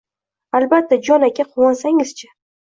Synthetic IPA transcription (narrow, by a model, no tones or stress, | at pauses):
albat̪ʰːad͡ʒɒnakʲʰaqʰʊwɒnsaŋɪz̥t͡ʃʰa